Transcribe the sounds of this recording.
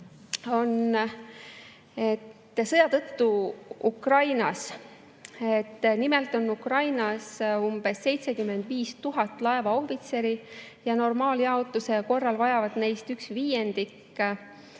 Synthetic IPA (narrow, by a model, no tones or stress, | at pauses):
o̞n | et̪ː | sɤjɑt̪ɤt̪ːuukrɑjnɑs | et̪ːnimelt̪ˑo̞nːukrɑjnɑsumb̥e̞sːe̞jt̪se̞kymːe̞nd̪viːst̪uɦɑt̪ːˑlɑevɑo̞hvit̪se̞ɾi | jɑno̞rmɑːljɑot̪ːˑuse̞ko̞rːɑlvɑjɑvɑd̪̥ne̞jst̪yksviːje̞nd̪ikː